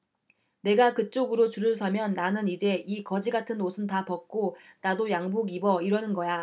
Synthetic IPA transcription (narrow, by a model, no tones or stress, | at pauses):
ne̞ɡakɯt͡ɕ͈oɡɯɾot͡ɕuɾɯɭs̬ʰʌmjʌnːanɯnid͡ʑe̞ikʌd͡ʑiɡatʰɯnːosʰɯntapʌk̚k͈onadojaŋbuɡibʌiɾʌnɯnɡʌja